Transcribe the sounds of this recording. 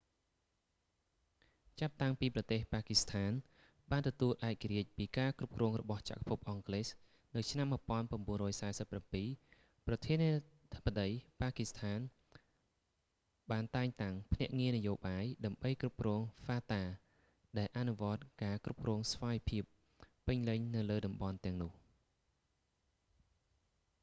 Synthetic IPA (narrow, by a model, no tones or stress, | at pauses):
t͡ɕap̚t̪aŋpiːprɑt̪eːhpaːkist̪ʰaːn | ɓaːnt̪ɔt̪uəlʔaɛc̚kːaɾiəc̚piːkaːkrup̚krɔːŋrɔ̰ɓɑht͡ɕa̰ʔk̚ʰpʰup̚ʔɑŋkleːs | nɨwt͡ɕʰnamːɨ̆əpŏənpraəmɓuənrɔːjsaɛsəpːrampiː | prɑt̪ʰiəniə | t̪ʰə̥pːaɗəjpaːkist̪ʰaːn | ɓaːnt̪aɛŋt̪aŋpʰnɛ̆əʔŋiənɨjoːɓaːjɗaəmɓəjkrup̚krɔːŋfaːt̪aː | ɗaɛlʔanuʋŏət̪̚kaːkrup̚krɔːŋsʋaːjpʰiəpː | ɨɲlɨɲnɨwləːɗɑmɓɑnt̪ɛ̆əŋnʊ̆əh